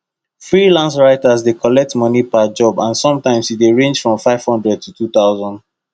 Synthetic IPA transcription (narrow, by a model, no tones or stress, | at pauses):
fɹilãnsɹaɪtazdekʰɔlɛk̚tmɔnipad͡ʒɔbãnsɔ̃mtãɪ̃msideɹẽnd͡ʒfɹɔ̃mfaɪv̥hɔ̃ndɹɛd̚tʰutʰuθaʊzɔ̃nd